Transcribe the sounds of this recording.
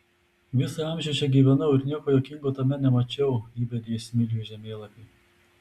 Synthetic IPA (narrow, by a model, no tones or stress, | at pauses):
ʋʲɪsɐɑˑmʲʒʲɛʊt͡ʃʲɛɡʲiːʋʲɛnɐʊɪɾnʲiɛkoːjokʲɪŋɡoːt̪ɐmʲɛnʲɛmɐt͡ʃʲɛʊiːbʲɛd̪ʲeːsʲmʲɪlʲjʲuʒʲɛmʲeːlˠɐpʲiː